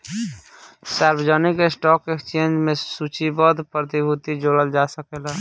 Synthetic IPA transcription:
saːɾbd͡ʒənikesʈɔːkekt͡ʃeːnd͡ʒmẽsut͡ʃibəd̪pɾət̪ibʱut̪id͡ʒoːɽəld͡ʒasəkelɛ

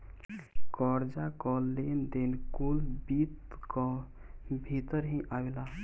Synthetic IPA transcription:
kɔɾd͡ʒakɔlːend̪enkulbit̪kɔ | bʱit̪əɾɦĩʔawela

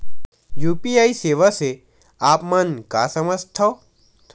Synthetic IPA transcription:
juːpiaːiseːʋase | aːpmɐnka̰ːsɐməst̪ʰa

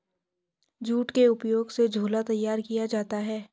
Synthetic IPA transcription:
d͡ʒuːʈkeʊpjoːɡsed͡ʒʱoːlat̪ɐjːaːɾkijad͡ʒaːt̪aɦɛː

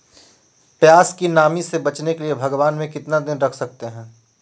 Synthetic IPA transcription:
pjaːskinaːmisebɐt͡ʃnekeliebʱɐɡʋaːnmẽkɪt̪nad̪ɪnɾɐkʰsɐk̚t̪eɦɛ̃ː

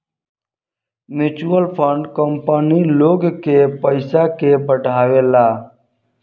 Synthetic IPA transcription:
mjuːt͡ʃuːəlpʰəɳɖkəmpəniːloːɡkeːpəɪsaːkeːbəɖʱaːʋeːlaː

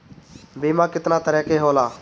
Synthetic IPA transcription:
biːmãːkɪt̪naːt̪əɾɛːkeːɦoːlaː

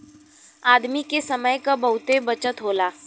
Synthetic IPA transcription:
aːd̪mikesɐməjkabɐɦʊt̪ebɐt͡ʃət̪ɦoːlaː

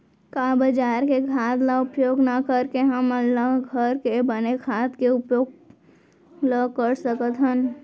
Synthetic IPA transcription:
kaːbəd͡ʒaːɾkekʰaːt̪laʊpjoːɡnakəɾkeɦəməlaɡʱəɾkebənekʰaːt̪keʊpjoːɡ | ləkəɾsəkət̪ɦən

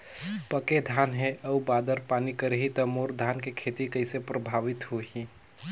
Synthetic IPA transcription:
pəked̪ʱaːnɦẽəubaːd̪əɾpaːnikəɾeɦit̪əmoɾd̪ʱankekʰet̪ikəɦɪsepɾəbʱaːʋɪt̪ɦoɦi

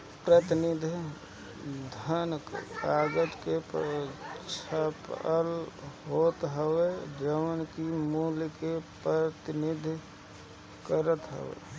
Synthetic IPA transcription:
pɾət̪ɪnɪd̪ʱ | d̪ʱənkkaɡəd͡ʒ̪kep | t͡ʃʰapəlɦot̪ɦəwed͡ʒəʋənkimulkepɾət̪ɪnɪd̪ʱ | kəɾət̪ɦə̰ʋḛ

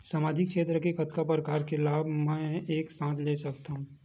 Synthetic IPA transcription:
saːmaːd͡ʒɪkt͡ʃʰeːt̪ɾəkekɐt̪kapɾəkaːɾkelaːbʱmɛ̃eːksãːt̪leːsɐkt̪aɦũ

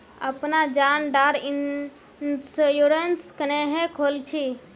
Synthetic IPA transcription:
əpnad͡ʒanɖaɾi | sjuɾənskəneɦẽkʰolt͡ʃʰi

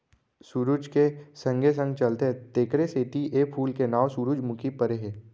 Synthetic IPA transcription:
suɾud͡ʒkesə̃ŋɡʱes̬ə̃ŋɡt͡ʃɐlt̪et̪eːkʰɾeseʈiʔepʰuːlkenaːwsuɾud͡ʒmʊkipəɾeɦeː

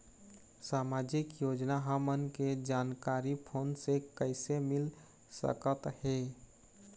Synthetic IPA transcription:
saːmad͡ʒɪkjoːd͡ʒnaɦəmənked͡ʒaːnkaːɾipʰoːnsekəɪsemɪl | sə̰kət̪he

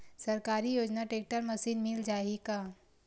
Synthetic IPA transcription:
sɐɾkaːɾijoːd͡ʒnaʈeːk̚ʈəɾmɐsiːnmɪld͡ʒaːikaː

